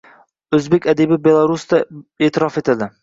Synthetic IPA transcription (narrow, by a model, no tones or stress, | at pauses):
ɵzbekʲad̪ebɪbelˠaɾusd̪aeːt̪ʰɪɾɒfet̪ɪld̪ɪ